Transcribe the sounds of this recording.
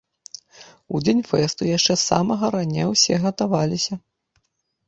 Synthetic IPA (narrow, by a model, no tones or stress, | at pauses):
ud͡zʲenʲfɛst̪ujaʂt͡ʂɛsa̰mɐɣɐɾanʲɛwsʲɛɣɐt̪avalʲisʲɐ